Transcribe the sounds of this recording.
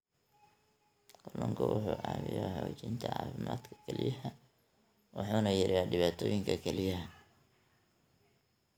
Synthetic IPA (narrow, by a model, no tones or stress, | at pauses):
qʊlːɐŋkʰɐwʊħuːʕɑːwɪjɔhɔːt͡ʃɪnt̪ʰɐʕɑ̰ːfɪma̰ːd̪kʰɐ̥kʰɛlɪ̰jɐɦɐ | wʔʊħuːnɐjɪɾaːɖɪβaːt̪ʰɔːjɪŋkʰɐkʰɛlɪjɐɦɐ